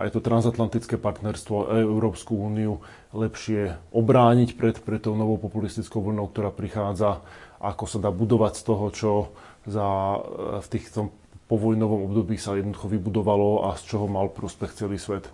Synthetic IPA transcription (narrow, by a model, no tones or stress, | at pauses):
ʔa̰jɛt̪ɔt̪ɾanzat̪lant̪it͡skɛːpaɾt̪nɛɾst̪ʋɔʔɛ̰ɛɛʊɾɔːpskuuːniu | lɛpʃɪɛʔɔbɾaːɲicpɾɛt̪pɾɛt̪ːɔʊnɔʋɔʊpɔpulist̪it͡skɔʊʋl̩nɔʊk̚t̪ɔɾaːpɾixaːd͡zaʔakɔsad̪aːbud̪ɔʋacst̪ɔɦɔt͡ʃɔ | za | ft̪iːxt̪ɔm | pɔʋɔjnɔʋɔmɔbd̪ɔbiːsajɛd̪nɔd̪uxɔʋibud̪ɔʋalɔa̰st͡ʃɔɦɔmalpɾɔspɛxt͡sɛliːsʋɛt̪